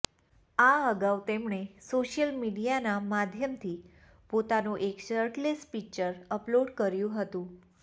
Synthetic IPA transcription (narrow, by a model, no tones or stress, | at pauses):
aəɡaʋt̪emɳesoʃjəlmiɖijanamad̪ʱjəmt̪ʰi | pot̪anũʔekʃəɾʈlespikt͡ʃəɾəploɖkəɾjũɦət̪ũ